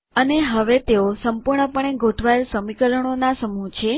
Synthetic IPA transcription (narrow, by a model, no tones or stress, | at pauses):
əneɦəʋet̪eosəmpuɾɳəpəɳ̃eɡʱoʈʰʋaelsəmikəɾəɳ̃onasəmut͡ʃʰe